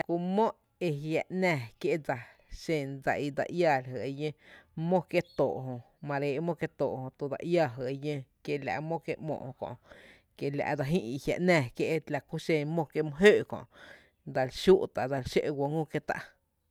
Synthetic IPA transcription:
la˨ku˧mõ˦ʔ | e˧ɦja˧˨ʔnɛ̃˧˨kje˦ʔd͡za˨ | ʃẽ˧˨nd͡za˨i˧d̪a̰˧˨ʔja˧˨lɦə˨e˧jə̃˦mõ˦kje˦t̪o˨ʔɦõ˧ | mã˧ɾeː˨˧˨mõ˦kje˧t̪oː˨ʔhõ˧˨t̪u˧d̪a̰˧˨ʔja˦˧ɦə˨e˧jə̃˧kje˧la̰˨ʔmõ˦ke˧ʔmõ̰˧ʔhõ˧kɔ̰̃˧˨ʔ | ke˧˨la̰˧˨ʔda˧ɦĩ˦ʔi˧hja̰˨ʔnɛ̃˦˧˨kje˧ʔla˧˨ku˦ʃẽ˧nmõ˦ke˧mõ˧ɦøː˦ʔkɔ̰̃˨ʔ | d̪a˧lʃu˦ʔt̪a˨da˧lʃḛ˦ʔwo˧ŋũ˦ke˦˧t̪a̰˧ʔ

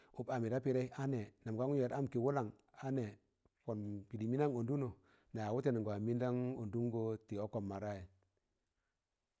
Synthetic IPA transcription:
u˨pa˨mi˨ɾa˦pi˦ɾe˦a˦ne˨na˨m˨ka˦ŋu˦je˨ɾa˦mki˨wu˦la˨ŋ | a˦ne˨ | fo˨npi˨di˨mi˦na˦ŋo˨ndu˦no˨ | na˨a˨wu˦te˦ni˨ŋɡa˨mi˦nda˦ŋo˨ndu˦ŋ˦ɡo˦ti˨o˦ko˨mːa˨ɾa˦je˨

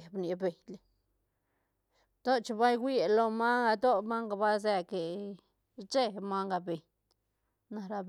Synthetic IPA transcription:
bni˨be˨jl | t̪o˦t͡ʃba˦jɡʷi˦lo˧ma˦a˧d̪o˦ma˦ŋɡa˧˨ba˦ze˧ke˨ | t͡ʃe˦ma˦ŋɡa˧be˨ɲ | na˨ɾa˧b

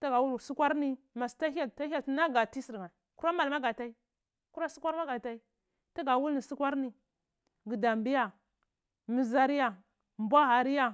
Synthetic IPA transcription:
ta˦ɡa˨wu˦lsi˦kʷa˦ɾni˦ | ma˨sta˦a˦˨ta˦a˦na˦ɡa˨ti˦si˨ŋa˨ku˦ɾa˦ma˨lma˦ɡa˨ta˦i˦ | ku˦ɾa˦si˦kʷa˦ɾma˦ɡa˨ta˦i˦ | ta˦ɡa˨wu˦lni˨si˦kʷa˦ɾni˦˨ | ɡi˨da˨mbi˦ja˨ | mi˨za˦ɾi˦ja˨ | mbʷa˦ɦa˨ɾi˦ja˦

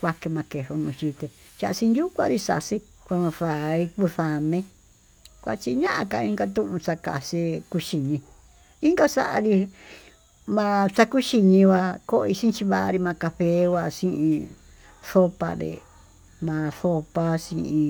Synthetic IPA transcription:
kʷa˧ke˧mã˧ke˧ʂo˧nũ˧ʃi˧t̪e˧ | t͡ʃa˧ʔa˧sĩ˧nju˦kʷa̰˦˧ɾi˧sa̰˧˨˧si˦ | kʷa˧mã˧ʂa˨˧i˧ku˧θa˧nẽ˧˦ | kʷa̰˧t͡ʃi˧ɲã˦ʔã˧ka˧ĩ˦ŋɡa˧t̪ũ˦ʔũ˧t͡sa˧ka̰˨si˧ku˧ʃi˧ɲĩ˧ | i˦ŋɡa˦sa˦ʔa̰˧ɾi˧ | mã˧t͡sa˧ku˦ʃi˧ɲĩ˧wa˧ko˦˧i˧sĩ˦˧t͡ʃi˧βa˧ʔa̰˧ɾi˧mã˧ka˧ɸe˧˦wa˧sĩ˦ʔĩ˧ | θo˦pa̰˧ɾḭ˨ | mã˨˧θo˧pa˦sĩ˧ʔĩ˧

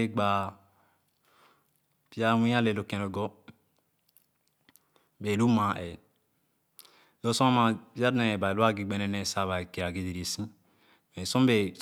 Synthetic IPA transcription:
e˦ɡ͡ba˨ | pi˦a˦wĩ˦a˦le˨lo˨kẽ˨no˨ɡɔ˦ | be˨lu˦mã˨ʔe˨ | lo˦sõ˦a˦ma˨pi˦a˦dnẽ˨ba˨lu˦a˦ɡi˨ɡ͡be˨nɛ˦ne˨sa˦˨βa˨ke˨a˨ɡi˨˦di˨ɾi˨sĩ˦ | me˨sõ˦mbe˨

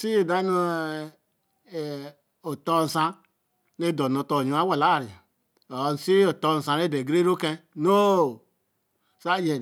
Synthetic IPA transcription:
si˦e˨da˦no˦˨ | o˨to˦n̩˨sa˦ | ne˦˨do˨no˨to˦˨ɲ˨˦a˦wa˨la˦˨ɾi˨a˨ | o˨n̩˨si˦i˦o˨to˦˨n̩˨sã˨ne˦de˨ɡɾe˦ɾo˦kẽ˦no˦˨ | sa˦d͡ʒe˨

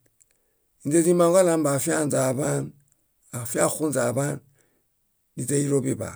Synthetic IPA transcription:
i˨nd͡ʒe˦zi˦ma˦ŋɡa˦la˦mba˨fi˦a˦nza˨βa˦n | a˨fi˦a˦xu˦nza˨ba˦n | di˨d͡ze˦i˦ɾo˦bi˨ba̰˨

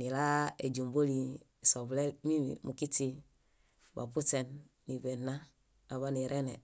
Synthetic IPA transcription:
ni˨la˦e˨ɟu˨mbo˦li˨ | so˨ble˦mi˦mḭmu˨ki˦ti˦ | ba̰˨pu˦te˨nː | i˨ve˨nːa˦ | a˨βa˦ni˨ɾʔe˦ne˨

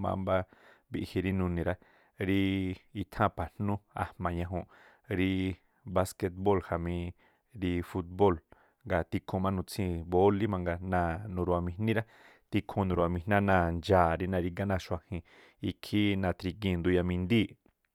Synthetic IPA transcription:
mã̰˧mba˦ | βi˧ʔhi˧ɾi˦˧nũ˧nĩ˨ɾa˦ | ɾi˦i˧t̪ʰã˦pʰa˨n̥nũ˦a̰˧hmã˨ɲã˧ɦõ˧ | ɾi˧ | βa˧ske˧t̪̚bo˦˨lha˨mĩ˧ | ɾi˧fu˧t̪̚bo˦˨l | ŋɡa˨t̪i˧kʰõ˧mã˦nũ˧t͡sʰĩ˧bo˦li˦mã˧ŋɡa˧nã˧˨nũ˧ɾu˧˨a˨mĩ˧nnĩ˦ɾa˦ | t̪i˧kʰõ˧nũ˧ɾu˨a˨mĩ˧nã˦nã˧˨nd͡ʒaː˨ɾi˦nã˧ɾi˧ŋɡa˦nã˧˨ʃwa˧hĩ˧ | i˧kʰi˦nã˧˨t̪ɾi˧k̬ĩ˧˨nd̪u˧ja˧mĩ˧nd̪iː˦˨

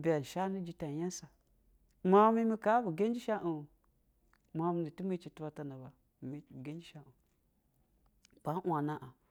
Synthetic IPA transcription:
ba˨n˨ʃa˦ni˦d͡ʒi˦ta˨ja˦sa˨ | ma˦mi˦mi˦ka˦bu˨ɡe˦n˦d͡ʒi˦ʃa˦ʔu˨ | ma˨˦mi˦ni˨tu˦mi˦t͡ʃi˨tu˦ba˦ta˨na˨ba˨ | mi˦˨ɡe˦nd͡ʒi˦ʃa˦ʔu˨ | b̥a˦ʔʷa˨na˦ʔa˨

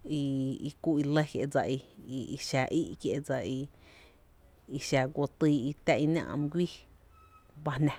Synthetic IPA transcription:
i˧i˧kʷu˦˧i˧lə˦kjḛ˧˨d͡za˧˨ʔi˧i˧i˧ʃa˨ʔi˦ʔkje˧˨d͡za˨i˧ | i˧ʃa˨ɡʷo˧t̪iː˧i˧t̪ɛ˧ʔi˧nã̰˧ʔm˧ɡʷiː˦ | ba˧hnã˨

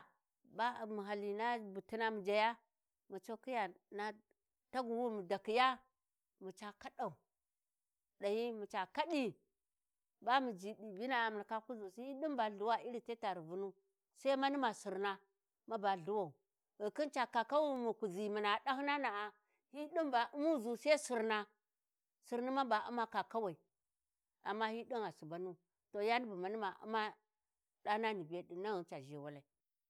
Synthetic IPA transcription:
ba˦˨mu˨ɦa˨li˨na˦bu˨ti˦na˦mu˨d͡ʒa˨ja˦ | mu˨t͡ʃo˦ki˦ja˨na˦ | ta˦ɡu˨wu˦mu˨da˨ki˨ja˦ | mu˨t͡ʃa˨ka˦ɗa˨u˨ | ɗa˨ji˦mu˨t͡ʃa˨ka˦ɗi˦ | ba˦mu˨d͡ʒi˨i˨bi˦na˨a˨m˨na˨ka˦ku˦zu˨si˦i˦ɗu˦mba˨ɮu˨wa˦i˦ɾi˨te˦ta˨ɾi˨vu˦nu˦ | sa˦i˦ma˦ni˦ma˨su˨ɾna˦ | ma˦ba˨ɮu˦wa˨u˨ | ɣi˨ki˦nt͡ʃa˨ka˨ka˦wa˦mu˨ku˨zi˨mi˨na˨da˦hna˦na˨a˨ | hi˦ɗi˦mba˨u˦mu˦zu˨se˦si˨ɾna˦˨ | si˨ɾni˦ma˦ba˨u˦ma˦ka˨ka˦wa˨i˨ | a̰˨mːa˦hi˦ɗi˦ŋa˨su˨ba˨˦nu˦ | to˨ja˦ni˦bu˨ma˨ni˦ma˨ṵ˦ma˦ | ɗa˦hna˦ni˨be˦ɗi˨na˦ɣə˨t͡ʃa˨ʒe˨˦˨wa˦la˨i˨˦

